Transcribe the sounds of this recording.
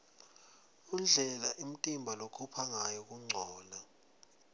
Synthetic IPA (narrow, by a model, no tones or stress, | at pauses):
unɮʱɛla̰ʔim̩tʼimbʱalokʰupʰaŋajɔk̬ʼuŋ͡ǀʱɔːla